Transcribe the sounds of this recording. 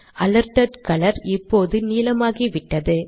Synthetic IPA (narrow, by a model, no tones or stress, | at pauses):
ʔɐlɐɾʈɐɖkɐlɐɾɪpːoːðɯniːlɐmaːɣiʋɪʈːɐðɯ